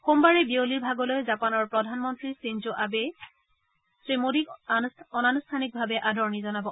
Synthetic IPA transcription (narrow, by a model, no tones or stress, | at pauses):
xombaɹɛbioliɹbʱaɡɔlojzapanɔɹpɹɔdʱanmɔntɹisinzoʔabɛ | sɹemodikɔnanustʰanik̚bʱabɛʔadʱɔɹnizɔnabɔ